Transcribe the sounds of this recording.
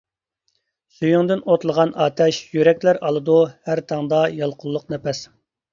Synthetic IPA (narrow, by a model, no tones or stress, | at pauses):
sujuŋd̪ɪnot̪lˠəʁɑnʔɑːt̪ʰɛʃjyɾɛk̚ʲlæɾɑlˠɨd̪uhæɾt̪ʰɑŋd̪ɑjɑlˠqʰʊlˠːʊq̚nɛpɛs